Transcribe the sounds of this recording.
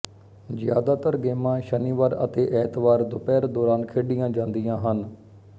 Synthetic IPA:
zɪja̰ːd̪aːt̪əɾɡeːmãːʃəniːʋaːɾə̰t̪eːʔɛːt̪ʋaːɾd̪ʊpɛːɾd̪ɔːɾaːnkʰeːɖɪjãːd͡ʒãːnd̪ɪjãːɦən

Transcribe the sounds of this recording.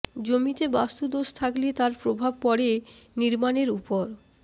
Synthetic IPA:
d͡ʑomit̪ebast̪ud̪oʃt̪ʰaklet̪aɾpɾobʱab̚pɔɽeniɾmaneɾupoɾ

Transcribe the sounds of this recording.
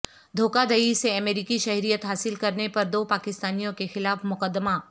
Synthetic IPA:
d̪ʱoːkad̪ɐiseɐmeːɾiːkiʃɐɦɾijət̪ɦaːsɪlkɐɾnepɐɾd̪oːpaːkɪst̪aːnijõkexɪlaːfmʊkəd̪ːmaː

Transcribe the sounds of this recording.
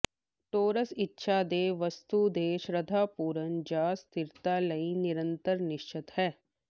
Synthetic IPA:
ʈoːɾəsɪtːʃʰaːd̪eːʋɐst̪ud̪eːʃɾɐd̪ʱaːpuːɾənd͡ʒaːst̪ɪɾt̪alɐinɪɾə̃nt̪əɾnɪʃt͡ʃɪt̪hɛː

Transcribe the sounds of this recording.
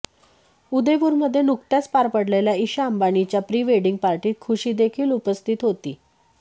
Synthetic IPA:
ud̪əʋuːɾməd̪ʱːjenukt̪jat͡spaɾpəɽleljaiɕaəmbanit͡ɕjapɾiːʋeɽiŋɡ̚paɾʈiːt̪̚kʰuɕiːd̪ekʰiːlupəst̪ʰit̪ɦot̪iː

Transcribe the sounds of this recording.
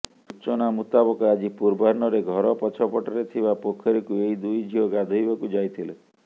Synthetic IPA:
ut͡ʃɔnamut̪abɔkɔad͡ʒipuɾbaɾnɔɾeɡʱɔɾɔpɔt͡ʃʰɔpɔʈaɾet̪ʰibapokʰːɔɾikuejd̪ujd͡ʒʱiɔɡad̪ʱujbakud͡ʒajt̪ʰile

